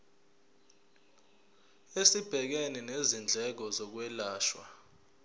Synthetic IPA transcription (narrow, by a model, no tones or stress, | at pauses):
esib̥ʱɛk̬enɛnezind͡ɮʱɛk̬ɔzɔk̬wɛlaːʃwa̰